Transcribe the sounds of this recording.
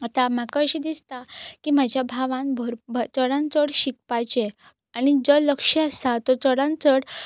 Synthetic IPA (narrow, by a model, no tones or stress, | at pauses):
at̪amakaɕid̪ist̪akimad͡ʑʱjabʱaʋãnbʱəɾbʱt͡səɽãnt͡səɽɕik̚pajt͡ɕe | aɽ̃id͡zələkʂəəst̪at̪ɔt͡səɽãnt͡səɽ